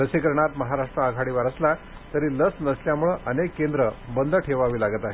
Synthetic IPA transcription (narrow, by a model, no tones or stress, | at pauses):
əsekəɾɳat̪məɦaɾaʂʈɾəəɡʱaɽiːʋaɾəsla | t̪əɾiːləsnəsljamuɭəʔənekːend̪ɾəbənd̪ʱəʈʰeʋaʋiːlaɡət̪aɦe